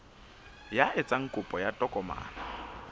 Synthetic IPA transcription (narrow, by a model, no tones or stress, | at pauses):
jaʔɪt͡sʼaŋ̩kʼʊpʼɔjatʼɔkʼɔma̰ːna